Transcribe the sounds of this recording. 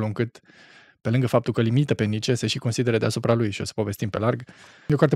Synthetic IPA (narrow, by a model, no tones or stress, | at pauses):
luɨŋkɨt̪ | pe̞lɨŋɡəfap̚t̪ulkəlimit̪əpe̞nːit͡ʃeseʃiko̞nsid̪e̞ɾəd̪easupɾalujʃio̞sə̥po̞ve̞st̪impe̞larɡ | jo̞kart̪e